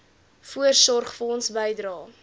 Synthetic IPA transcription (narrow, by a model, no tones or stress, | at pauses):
fuərsɔrχfəɔnsbɛjdrɑː